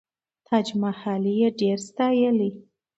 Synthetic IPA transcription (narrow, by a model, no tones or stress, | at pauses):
t̪ʰɑd͡ʒmahɑlijeɖeɾst̪ɑjəli